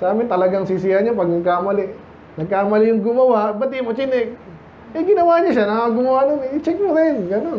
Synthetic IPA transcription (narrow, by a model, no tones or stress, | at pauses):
saaːmɪnt̪ɐlɐɡaŋsis̬ɪaɲapɐɡ̚nɐɡ̚kamɐlɪʔ | nɐɡ̚kamɐlɪjʊŋɡʊmɐwaʔbɐt̪imot͡ʃɪnɛk | ɛɡɪnɐwaɲaʃanaaɡʊmawanonɪt͡ʃɛk̚modɛnɡɐnon